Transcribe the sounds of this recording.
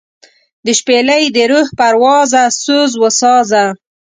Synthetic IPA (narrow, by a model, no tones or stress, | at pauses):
d̪əʃpeləjd̪əɾuhpaɾwɑzasozwəsɑza